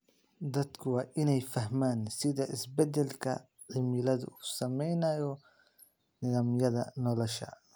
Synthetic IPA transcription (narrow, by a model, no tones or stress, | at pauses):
d̪ɐd̪kʰʊwɑːʔɪnɛjfɐɦmaːnsɪðɐʔɪsbɛd̪ɛlkʰɐ̰ | ʕɪmɪlɐðʊ̰u̥ːsɐmɛjnɐjɔ | nɪðɐmjɐðɐ̰nɔlɔʃɐ̰